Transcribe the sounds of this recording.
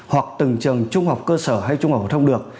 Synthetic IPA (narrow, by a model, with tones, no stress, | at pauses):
hwa˨˩k̚t̪ɨ˨˩ŋt͡ɕɨ˨˩əŋt͡ɕʊ˧ŋ͡mha˨˩wk͡p̚kəː˧səː˧˩ɦa˧jt͡ɕʊ˧ŋ͡mht̪ʰə˧ŋ͡mɗɨ˨˩ək̚